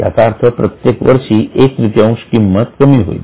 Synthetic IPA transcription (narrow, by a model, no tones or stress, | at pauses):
a̰t̪aɾt̪ʰəpɾət̪jekʋəɾʃiekɾit̪jaũʃkimːət̪kəmiɦo̰ḭ